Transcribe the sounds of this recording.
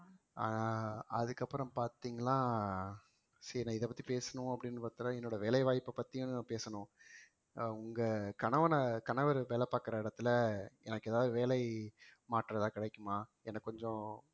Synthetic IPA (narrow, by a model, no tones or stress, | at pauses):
ʔa̰ːnaːɐðɯkːɐpːɯɾɔ̃paːɾt̪iːŋɡɐlːãː | sɛɾnãːɪðɛp̬ːɐt̪ːipeːsɐnʊ̃ɐpːɐɽɪnːɯpaːɾt̪ːɯɾãːɛnːoːɽɐʋeːlɐɪʋaːjpːɐpːɐt̪ːɪjʊ̃naːpeːsɐnʊ̃ | ʊŋɡɐkɐɳɐʋɐnɐkɐɳɐʋɐɾʋeːlɐpaːkɯɾɐɪɽɐt̪ːɯlɐɛnɐkːɛːðaːʋðɯʋeːlɐɪmaːʈːɾɐt̪ãːkɪɽɛkːɯmaː | ɛnːɐkːkːɔɲd͡ʒɔ̃